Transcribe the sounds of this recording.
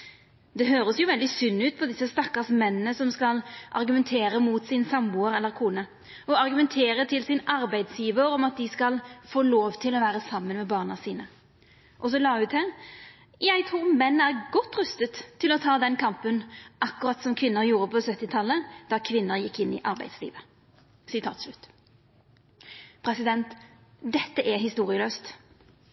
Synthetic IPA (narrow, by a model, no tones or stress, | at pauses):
d̪ɛɦøːɾəsjʊʋɛld̪ɪsʏnːʉːt̪̚pʰɔd̪ɪsːəst̪ɑkːɑsmɛnːənəsɔmskɑlʔɑ̰ʁɡʉmɛnt̪ʰeːɾəmuːt̪sɪnsɑmuːəɾɛlːəɾkʰuːnə | ɔɑʁɡʉmɛnt̪ʰeːɾət̪ʰɪlsɪnɑɾbæɪd̪sjiːʋəɾɔmɑt̪̚d̪ɪskɑlfoːloːʋt̪ʰɪlɔʋæːɾəsɑmːənmɛbɑːʁnɑsiːnə | ʔɔs̬ɔlɑːʉt̪hæːʁ | jæɪt̪ʰʁuːʁmɛnːæʁɡɔt̪ːɾœst̪ət̪ʰːɪlɔt̪ʰɑːd̪ɛnkʰɑmpənʔɑkːʊʁɑt̪sɔmkʰʋɪnːəɾjuːɾəpʰɔsœt̪ːɪt̪ʰɑlːəd̪̥ɑkʰʋɪnːəɾjɪkːɪnːɪ̰ʔɑʁbæɪd̪slḭːʋə | sɪt̪ʰɑ̰ːt̪slʉt̪ː | pʰɾɛsɪd̪ɛnt̪d̪ɛt̪ːəʔæɦɪst̪uːʁɪəløːst̪